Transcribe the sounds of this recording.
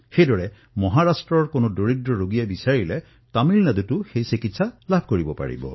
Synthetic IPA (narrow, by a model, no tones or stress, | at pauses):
xejdɔɹɛ | mɔɦaɹasʈɹɔɹkonodoɹidɹɔɹoɡijabisaɹile | tamilnad̪utuxejsikitsalabʱkoɹibɔpa̰ɹḭbɔ̰